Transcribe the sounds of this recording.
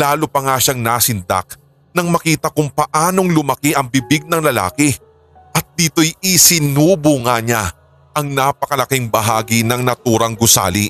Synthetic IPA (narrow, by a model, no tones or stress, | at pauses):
laːlopɐŋaʃaŋnasɪnd̪a̰k̚ | nɐŋmɐkiːt̪ɐkʊŋpɐʔaːno̞ŋlʊmɐkiʔɐŋbɪbɪɡ̚nɐŋlɐla̰ːkɪ | ʔɐt̪̚d̪iːt̪o̞jɪsɪnuːboŋaɲa | ʔɐŋnapɐkɐlɐkɪŋbɐɦaːɡinɐŋnɐt̪uːɾɐŋɡʊsa̰ːlḭ